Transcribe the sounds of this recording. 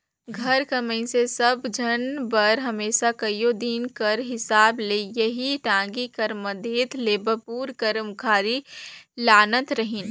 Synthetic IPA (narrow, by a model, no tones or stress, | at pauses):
ɡʱɐɾkɐmə̃ĩsesɐbd͡ʒʱɐnbɐɾɦɐmeːʃakɐjod̪iːnkɐɾɦɪsaːblejɐɦit̪ãːɡikɐɾməd̪ʱeːt̪leːbəpuːɾkɐɾmkʰaːɾilaːnət̪ɾɐɦĩn